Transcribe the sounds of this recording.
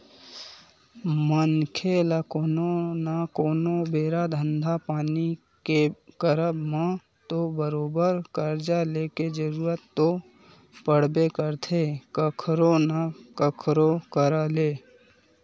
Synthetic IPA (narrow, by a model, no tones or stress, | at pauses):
mənkʰeːlakoːnonakoːnobeːɾad̪ʱə̃nd̪ʱapaːni | kekəɾəbmã | t̪obəɾoːbəɾkəɾd͡ʒaleked͡ʒəɾuːɾət̪ːo | pəɽ̤bekəɾt̪ʰekəkʰɾonakəkʰɾokəɾaleː